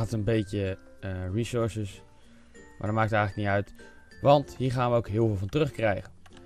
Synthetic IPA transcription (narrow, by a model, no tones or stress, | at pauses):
ttənbejtə | risʊɹsəs | ma̰ːdɔtmaːk̚tətɛjχələk̚nitœɥtʋɑntɦiːɹχaːnʋəowkɦɪːlˠvɪːlˠvɑntərɵχkrɛjχən